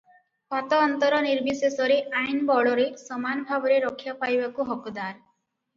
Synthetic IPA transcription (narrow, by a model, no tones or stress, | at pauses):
pat̪ɔːnt̪ɔɾɔniɾbisesɔɾeʔajnbɔɽɔɾesɔmanɔbʱabɔɾeɾɔkʰːjapajbakuɦɔkɔd̪aɾ